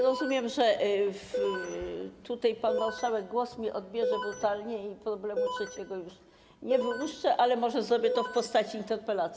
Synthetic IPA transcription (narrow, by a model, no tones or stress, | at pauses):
ɾɔzumʲjɛmʐɛf | t̪ut̪ajpanvawʂawɛɡ̚ɡwɔsmʲiʔɔd̪̚bʲjɛʐɛbɾut̪alɲɛipɾɔblɛmutʂɛt͡ɕɛɡɔjuʂ | ɲɛvɘwuʂt͡ʂɛʔalɛmɔʐɛzɾɔbʲjɛt̪ɔfpɔst̪at͡ɕiint̪ɛɾpɛlat̪sʲ